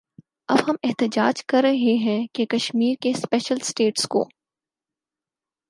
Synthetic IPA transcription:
ɐbɦɐmɪɦt̪ɪd͡ʒaːd͡ʒkɐɾːɐɦeɦɛ̃kekɐʃmiːɾkespɛːʃəlsʈeːʈsko̰ː

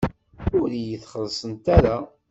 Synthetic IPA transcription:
ʊɾijəθχəðˤsˤənt̪æɾa

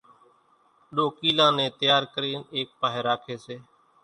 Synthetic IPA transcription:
ɗoːkiːlãːnẽːt̪əjaːɾkəɾiːneːk̚paːɦeːɾaːkʰeːseː

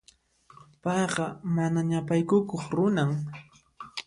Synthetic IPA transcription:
pɑjɢɑmanaɲapajkʊkoχɾʊnaŋ

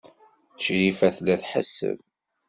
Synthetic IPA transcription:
əʃɾifæθlæθħə̰sːə̰v

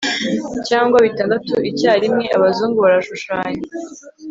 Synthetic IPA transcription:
caːŋɡwaβitaːndatuʔicaːɾimŋe̞aβazuːŋɡuβaɾaʃuʃaːɲe

